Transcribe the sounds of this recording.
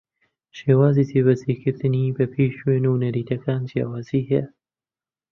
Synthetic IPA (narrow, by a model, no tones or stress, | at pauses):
ʃeːwaːziːt̪ʰeːβɐzikʰɨɾt̪ɨnibɐpʰeʃweːnunɐɾiːt̪ʰɐkaːnd͡ʒja̰ːwaːziːhḛja